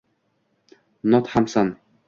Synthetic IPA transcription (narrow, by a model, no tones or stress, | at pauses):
nɔt̪hamsan